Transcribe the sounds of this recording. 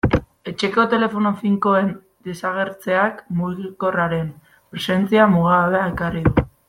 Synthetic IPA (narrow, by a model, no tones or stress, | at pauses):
e̞t͡ʃe̞ko̞t̪e̞le̞fo̞nofiŋko̞e̞n | d̪e̞saɣ̞e̞ɾt͡se̞akmuɣiko̞raɾe̞m | pɾe̞se̞nt͡siamuɣ̞aðeae̞kariðu